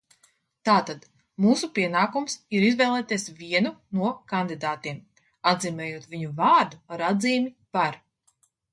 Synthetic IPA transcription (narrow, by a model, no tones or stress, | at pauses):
t̪aːt̪ad̪̥ | muːsupiɛnaːkumsiɾizvɛjlˠɛːt̪iɛsvʲiɛnunuɔkand̪id̪aːt̪iɛm | ad̪ziːmɛːjuɔt̪vʲiɲuvaːɾd̪uaɾad̪ziːmʲi | paɾ